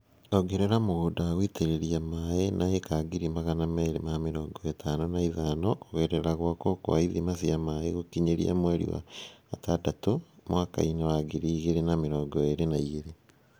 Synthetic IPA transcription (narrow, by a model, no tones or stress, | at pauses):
oɡeɾeɾamoɣoːdaːɣwiteɾeɾiamaenʔaekaɡiɾimaɣanameɾemameɾɔːŋɡɔetʰanonaiðanoʔːɣeɾeɾaɣwakoko̰aiðimasiamaeɣokiɲeɾḭa̰mweɾḭwa̰ːtadatomwaka̰inewaɡiɾiːɣeɾenameɾɔːɡɔeɾenaiɣeɾe